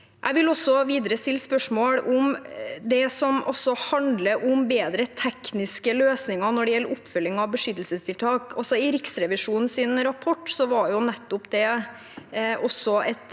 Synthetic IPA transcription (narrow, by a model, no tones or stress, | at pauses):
jʔæ̰ɪʋɪlɔsːɔʋiːd̪əɾəst̪ɪlːspœʂmoːɽɔmd̪ɛsɔmɔ̰sːɔhɑnd̪ləʔʊmbeːd̪ɾət̪ʰɛknɪskəløːsnɪŋɑnɔɖɛjɛlːəɾʊpːfœlːɪŋɑʋbəʂʏt̪ːəl̩səst̪ʰɪlt̪ʰɑːkɔsɔɪɾɪksɾɛʋɪʂuːnn̩sɪnɾɑpʰɔʈːsɔʋɑɾjʊnɛt̪ːʊpd̪ɛ | ʔɔsɔɛt̪